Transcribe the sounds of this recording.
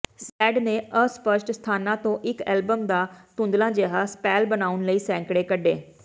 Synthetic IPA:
sɛːɖneːʔəspəʃʈst̪ʰaːnãːt̪õːʔɪkɛ̰ːlbəmd̪aːt̪ʊ̃nd̪lãːd͡ʒeːɦaːspɛːlbənaːʊnləiːsɛ̃ːŋkɽeːkəɖeː

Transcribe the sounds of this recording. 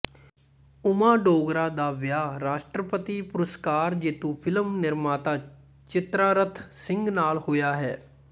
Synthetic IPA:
ʊmaːɖoːɡɾaːd̪aːʋjaːɾaːʃʈɾəpət̪iːpʊɾəskaːɾd͡ʒeːt̪ũːpʰɪləmnɪɾmaːt̪aː | t͡ʃɪt̪ɾaːɾət̪ʰsɪ̃ŋɡnaːlhojaːɦɛː

